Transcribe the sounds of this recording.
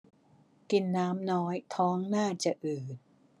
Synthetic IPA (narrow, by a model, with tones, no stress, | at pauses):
ki˨˩nːaː˦˥mnɔː˦˥jt̪ʰɔː˦˥ŋnaː˥˩t͡ɕa˨˩ʔɯː˨˩t̪̚